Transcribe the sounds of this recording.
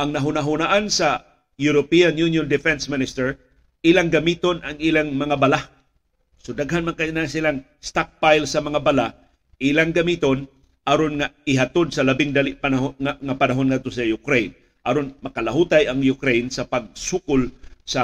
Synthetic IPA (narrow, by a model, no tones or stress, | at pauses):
ʔaŋnɐɦʊnaɦʊnaʔansa | juɾopianjunjond̪ɪfɛnsmɪnɪst̪ɛɹ | ʔilaŋɡamit̪onʔaŋilaŋmɐŋabala | sod̪aɡɦanmankanasilaŋ | st̪ak̚pajlsɐmɐŋabala | ʔilaŋɡamit̪on | ʔaɾonŋaɪɦat̪od̪̚sɐlabɪŋd̪alɪʔpanaɦaŋapanaɦonŋad̪̚t̪osɐjʊkɾejn | ʔaɾonmɐkalaɦut̪ajaŋjʊkɾejnsapaɡ̚sukʊlsa